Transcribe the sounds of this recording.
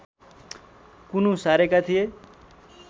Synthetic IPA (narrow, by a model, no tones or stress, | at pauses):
kunusaɾekat̪ʰije